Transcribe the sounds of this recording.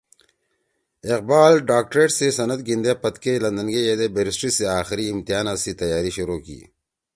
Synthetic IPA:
ɪq̚baːlɖaːk̚ʈɾeːʈsesɐnɐt̪ɡind̪epɐt̪kelɐnd̪ɐnɡejeːd̪ebeɾɪsʈɾiseaːxɪɾiːmt̪ijaːnasit̪ɐjaːɾiɕʊɾoːkḭː

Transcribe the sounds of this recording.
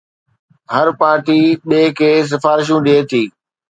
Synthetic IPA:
ɦɐɾpaːɾʈiːɓeːkʰeːs̬ɪfaːɾɪʃũɗeːt̪ʰiː

